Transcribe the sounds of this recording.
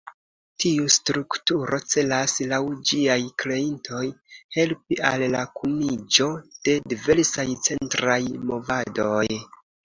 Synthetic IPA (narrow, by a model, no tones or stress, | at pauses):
tiustɾuktuɾʔo̞t͡se̞laslawd͡ʒiajkle̞intʰo̞jhe̞lpialːakʰunid͡ʒo̞d̥e̞dive̞ɾsajt͡se̞ntɾajmo̞vado̞j